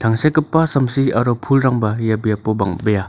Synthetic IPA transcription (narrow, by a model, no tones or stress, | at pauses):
tʰaŋsekɯpːasɐmsiaɾɔpʰulɾaŋbajabjapːɔbaŋbɐja